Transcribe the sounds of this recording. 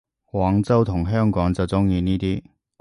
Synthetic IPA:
waː˨˥ŋt͡sɐ˥wt̪ʰʊ˨˩ŋɦœː˥ŋkɔː˨˥ŋt͡sɐ˨wt͡sʊ˥ŋjiː˧niː˥t̪iː˥

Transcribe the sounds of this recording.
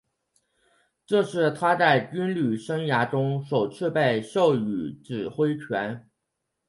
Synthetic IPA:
ʈ͡ʂɤ˥˧ʂɻ̩˥˩t̪ʰa˥t͡sa˥˩ɪy˥nly˨˩ʂɤ˥ŋja˧˥ʈ͡ʂʊ˥ŋʂo˨˩ʊʈ͡ʂ̩ʰ˥˧pe˥˧ɪɕjo˥˩ʊy˨˩ʈ͡ʂɻ̩˨˩xwe˥ɪt͡ɕʰɥɛ˧˥n

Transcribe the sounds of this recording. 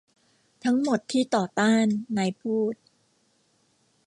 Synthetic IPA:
t̪ʰa˦˥ŋmo˨˩t̪ʰːiː˥˩t̪ɔː˨˩t̪aː˥˩nːa˧jpʰuː˥˩t̪̚

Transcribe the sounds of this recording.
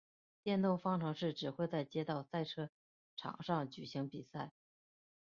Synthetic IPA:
t̪jɛ˥˧nt̪ʊ˥˩ŋfɑ˥ŋʈ͡ʂʰɤ˧˥ŋʂɻ̩˥˩ʈ͡ʂɻ̩˨˩xwe˥˧ɪt͡sa˥˩ɪt͡ɕjɛ˥t̪ɑ˥˧ʊsa˥˩ɪʈ͡ʂʰɤ˥ | ʈ͡ʂʰɑ̰˨˩ŋʂɑ˥˩ŋt͡ɕy˨˩ɕi˧˥ŋpi˨˩sa˥˩ɪ

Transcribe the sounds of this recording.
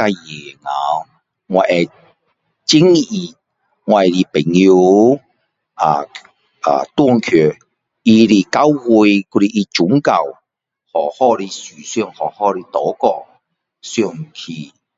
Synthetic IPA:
a˧jɛː˨˩ŋaː˨˦w | ŋɔ˨˧˩ʔɛ˨ | t͡si˥ŋi˧˩ | ŋɔ˧a˨li˨˧pe˨˩ŋji˧w | aː˨˩ | ʔa̰ː˨˩t̪ɔ˥ŋkʰø˨˩ | i˧li˧ka˨˥wwu˧jku˧ɾi˧ʔi˧t͡ʃʊ˨˦ŋka˨˩w | hɔː˨˩hɔː˧li˧syː˨˩sœ˧ŋhɔ˨˩hɔː˧˥li˧t̪ɔː˨˥kɔː˧ | sy˧˩ŋkʰi˧˩

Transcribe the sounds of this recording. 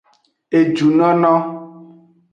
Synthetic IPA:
e˨d͡ʒu˨nɔ̃˦nɔ̃˦

